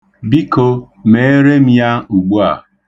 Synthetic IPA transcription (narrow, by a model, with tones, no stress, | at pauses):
bi˦ko˦ | me˨e˦ɾe˦m̩˦ja˦u˨ɡ͡bu˦a˨